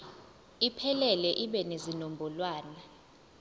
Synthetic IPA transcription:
ipʰɛlɛlɛʔiɓɛnezinombʱɔlwaːna

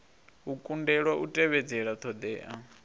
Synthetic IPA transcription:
ukʼundɛɺwaʔutʼɛβɛd͡zɛɺat̪ʰɔd̪ɛːʔa

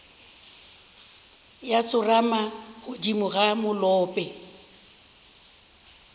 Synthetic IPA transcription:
jat͡sʼʊramaɣʊdimʊɣamʊlɔːpʼɛ

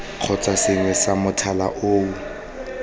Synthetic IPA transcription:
q͡χʰɔt͡sʼasɪŋwɛsamʊtʰala̰ʔoːu

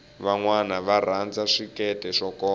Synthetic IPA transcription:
βaŋwanaβar̤and͡zaʂikɛtɛʂɔkɔː

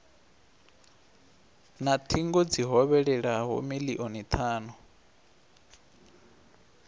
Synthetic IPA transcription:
nat̪ʰiŋɡɔd͡ziɦɔβɛɺɛɺaɦɔ̰miliʔɔnit̪ʰaːnɔ

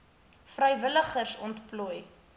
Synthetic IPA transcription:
frəjvələχərsɔntplɔj

